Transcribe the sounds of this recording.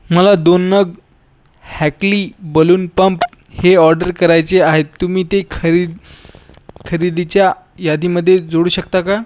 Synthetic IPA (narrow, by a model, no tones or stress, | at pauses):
məlad̪onːəɡ | hækliːbəluːnpəmp | heɔɾɖəɾkəɾajt͡seaɦet̪ːumiːt̪ekʰəɾid̪ | kʰəɾid̪it͡ɕja | jad̪ʱiməd̪ʱːjed͡zoɽuːɕək̚t̪aka